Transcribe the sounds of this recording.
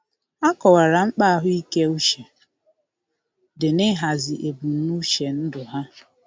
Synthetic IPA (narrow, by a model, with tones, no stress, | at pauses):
a˦kɔ˨wa˨ɾa˨ŋ͡m̩˦k͡pa˦a˦ɦʊ˦i˦ke˦u˦ʃe˨ | dɪ˨nɪ˦ɦa˨zɪ˨ʔe˨bu˨n̩˦nu˦ʃe˨n̩˦dʊ˨ɦa˦